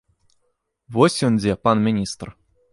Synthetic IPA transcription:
vosʲunʲd͡ʑʲepɑnmʲinʲist̪r

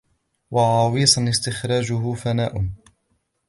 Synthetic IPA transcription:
wɑʕɑːwiːsˤɑnɪst̪ɪxɾɑːd͡ʒʊɦʊfanaːʔʊ

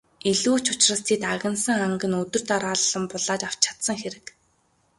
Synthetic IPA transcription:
iɮuːt͡ɕʊ̥t͡ɕrə̆st̪ʰiːt̪aɣʲə̆nsə̆ŋaŋɡə̆nɵt̪ɵ̆r̥t̪aɾaːɮːə̆mpʊɮaːt͡ɕaw̥t͡ɕʰḁt̪sə̆ŋxeɾɘ̆k

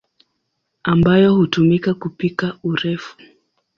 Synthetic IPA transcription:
ambajɔhutumikakupikauɾɛfu̥

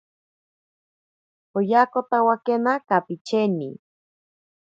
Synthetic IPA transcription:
ojakot̪awakenakapit͡ʃenḭ

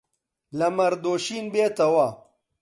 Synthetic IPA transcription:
lɐmɐɾd̪oːɕiːnbeːt̪ɐwa

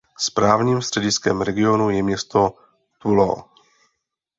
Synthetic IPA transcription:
spɾaːvɲiːmst̪r̝̥ɛɟɪskɛmɾɛɡɪo̞nujɛmɲɛst̪o̞ | t̪ulo̰

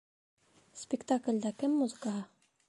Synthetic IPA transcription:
spʲɪkt̪aklʲd̪ɑkɘmːuzɨ̆kɑɦɑ

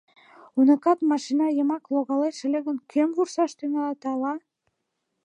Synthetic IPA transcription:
unə̆kɑt̪mɑʃinɑjəmɑkloɣɑleʃĕleɣə̆nkʰømvursɑʃt̪yŋɑlet̪ɑlɑ

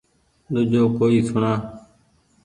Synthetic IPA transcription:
ɗ̪ʊd͡ʒoːkoːiːsʊɳaː

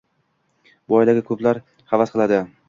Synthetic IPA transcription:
bɒjd̪aɡʲɪkʰɵplaɾ | χavasqʰɨlˠad̪ɪ

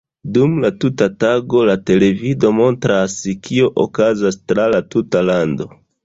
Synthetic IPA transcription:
dumlatutataɡo̞late̞le̞vido̞mo̞ntɾaskʰio̞ʔokazastɾalatutalando̞

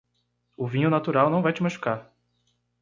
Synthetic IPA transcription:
ʊvĩɲʊnat̪uɾawnɐ̃w̃vajt͡ʃɪmaʃu̥kaɾ

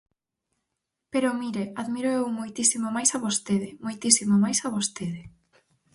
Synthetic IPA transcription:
peɾomiɾeaðmiɾoewmojt̪isimomajsaβost̪eðɪmojt̪isimomajsaβost̪eðɪ

